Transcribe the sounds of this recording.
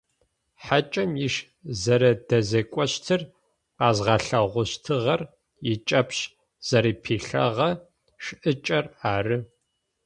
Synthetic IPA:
ħat͡ʃʼɐmjɪʃ | zɐɾɐdɐzɐkʷʼɔɕtʰɨr | qɑːzʁɑɬɐʁʷʊɕtʰɨʁɐr | jɪt͡ʃʼɐpɕ | z̥ɐɾiːpʰiːɬɐ̰ʁɐ | ʃʔɨt͡ʃʼɐraːrɨ

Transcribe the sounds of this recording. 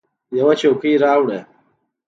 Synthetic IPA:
jɐwɐt͡ʃekiːɾaːwɽe

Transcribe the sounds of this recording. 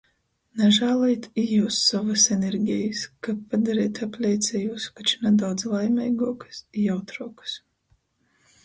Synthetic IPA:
naʒaːlˠajt̪ijuːsːavasɛnʲeɾɡʲɛjɨskappad̪aɾɛːt̪aplʲɛjt̪sʲɛjuːskat͡ʃnad̪awd̪zlˠajmɛjɡuɔkɨ̥siawt̪ɾuɔkɨ̥s

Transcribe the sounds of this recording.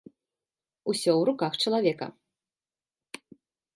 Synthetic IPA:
usʲɔwɾukaxt͡ʂɐlˠavʲɛkɐ̰

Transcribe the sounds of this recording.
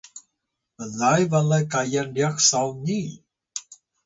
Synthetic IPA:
əlajvalajkajandiak̚sawɲi

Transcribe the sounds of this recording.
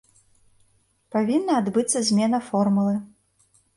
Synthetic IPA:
pavʲinːɐːd̪bɨt̪sːɐzʲmʲɛnɐfɔrmulˠɨ

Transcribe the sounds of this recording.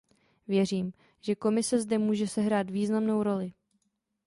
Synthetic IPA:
vjɛr̝iːm | ʒɛko̞mɪsɛzdɛmuːʒɛsɛɦɾaːt̪viːznamno̞wɾo̞lɪ

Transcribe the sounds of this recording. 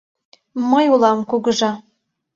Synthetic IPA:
məjulɑmkuɣəʒɑ

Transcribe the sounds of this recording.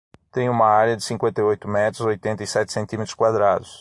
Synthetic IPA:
t̪ẽj̃ũmɐaɾjɐd͡ʒ̪ɪsĩŋkwẽnt̪ɐjojt̪ʊmɛt̪ɾʊzojt̪ẽnt̪ɐisɛt̪ɪ̥sẽnt̪ĩmet̪ɾʊskwad̪ɾad̪ʊs

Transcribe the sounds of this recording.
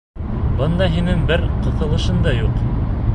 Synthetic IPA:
bɤ̆nd̪ɑɦinɘŋbɘɾqɤ̆θɤ̆lˠɤ̆ʃɤnd̪ɑjuq

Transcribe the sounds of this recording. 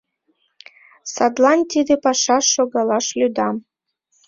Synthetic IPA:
sad̪lˠɑnʲt̪ʲid̪ɘpɑʃɑʃoɡɑlˠɑʃlʲyd̪ɑm

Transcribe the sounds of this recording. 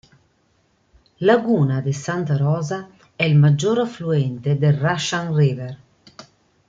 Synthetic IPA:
laɡuːnad̪esant̪aɾɔːza | ɛilmad͡ʒːoɾafluɛnt̪ed̪erːaʃanrever

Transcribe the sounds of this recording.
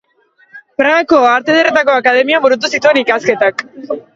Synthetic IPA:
pɾaako̞aɾt̪eð̞eret̪ako̞akaðe̞miambuɾut̪̬usit̪ue̞nikaske̞t̪ak

